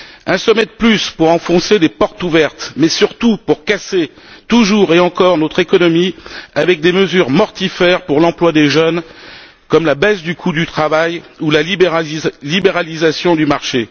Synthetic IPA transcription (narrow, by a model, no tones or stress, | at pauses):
ɛ̃sɔmɛd̪əplyspuʁɑ̃fɔ̃sed̪epɔʁt̪uvɛʁt̪mɛsyʁt̪upuʁkase | t̪uʒuʁeɑ̃kɔʁnot̪χekɔnɔmiavɛk̚d̪eməzyʁmɔʁt̪ifɛʁpuʁlɑ̃plwad̪eʒœn | kɔmlabɛsd̪ykʰud̪yt̪χavajulalblibeʁalizasjɔ̃d̪ymaʁʃe